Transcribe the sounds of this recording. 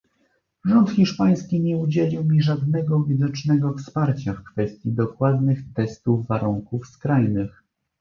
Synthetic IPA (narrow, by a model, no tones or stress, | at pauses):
ʐɔnt̪xʲiʂpaj̃skʲiɲɛud͡ʑelʲiwmʲiʐad̪nɛɡɔvʲid̪ɔt͡ʂnɛɡɔfspaɾt͡ɕafkfɛst̪ʲjid̪ɔkwad̪nɘxt̪ɛst̪uvːaɾuŋkufskɾajnɘx